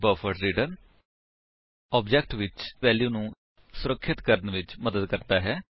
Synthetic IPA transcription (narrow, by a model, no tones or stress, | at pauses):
bəfʰəɖɾiːɖən | ɔːbd͡ʒɛkʈʋɪt͡ʃʋɛːljuːnũː | sʊɾəkʰːɪt̪kəɾənʋɪt͡ʃməd̪əd̪kəɾt̪aːɦɛː